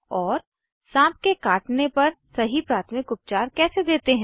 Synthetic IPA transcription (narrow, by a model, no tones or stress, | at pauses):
ɔːɾ | sãːp̚kekaːʈnepɐɾsɐɦipɾaːt̪ʰmɪkʊp̚t͡ʃaːɾkɛːsed̪eːt̪eɦɛ̃